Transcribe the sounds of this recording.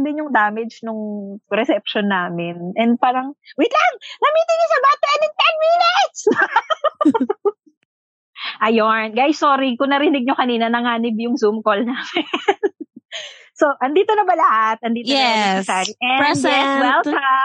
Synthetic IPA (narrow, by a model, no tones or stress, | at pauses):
d̪ɪnjʊŋd̪aːmɛd͡ʒnʊŋɾɛsɛp̚ʃonːaːmɪnʔɛnd̪̚paːɾɐŋwɪt̪laŋɡɐmiːt̪ɪnɲosɐbat̪ɛnɪŋt̪ɛnminɪt̪̚s | ʔɐjonɡajsːoːɾikʊŋnɐɾɪnɪɡ̚ɲokɐniːnɐnɐŋaːnɪbjʊŋzumkolnaːmɪn | soʔɐnd̪iːt̪o̞nɐbɐlɐhat̪̚ɐnd̪iːt̪oɛssaːɾiʔɛnɛwɛlt͡ʃɐa